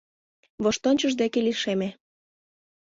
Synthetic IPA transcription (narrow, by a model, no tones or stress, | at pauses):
βoʃt̪onʲt͡ɕəʒd̪ekeliʃeme